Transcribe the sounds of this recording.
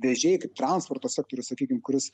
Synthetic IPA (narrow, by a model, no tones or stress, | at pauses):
ʋʲɛʒʲɛɪkɐɪp̚t̪ɾɐnspoːɾt̪oːsʲæːk̚t̪oːɾʲʊssɐkʲiːkʲɪmkʊɾʲɪs